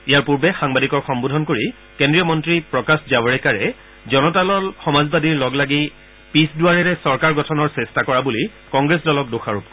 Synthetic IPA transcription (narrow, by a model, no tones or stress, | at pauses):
ijaɹpuɹbɛxaŋbadikɔɹxɔmbudʱɔnkoɹi | kendɹijɔmɔntɹipɹɔkaszawaɹɛkaɹɛ | zɔnɔtalɔlxɔmazbadiɹlɔɡlaɡi | pisduaɹɛɹɛsɔɹkaɹɡɔtʰɔnɔɹsestakɔɹabuli | kɔŋɡɹesdɔlɔk̚doxaɹup